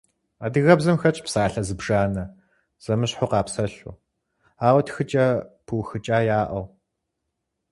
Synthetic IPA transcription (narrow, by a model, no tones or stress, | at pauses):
aːdɨɣɐbzɐmxɐt͡ʃʼpsaːɬɐzɨbʐ̥aːnɐ | z̥ɐmɨɕħʊqɑːpsɐɬṵ | aːwɐtxɨt͡ʃʼɐpʰuːxɨt͡ʃʼaːjaːʔɐw